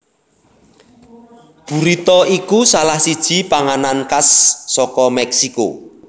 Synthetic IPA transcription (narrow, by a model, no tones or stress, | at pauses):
b̥ṳɾit̪ɔikusalahsid̥ʒ̥i̤paŋanankasːɔkɔmɛksiko̰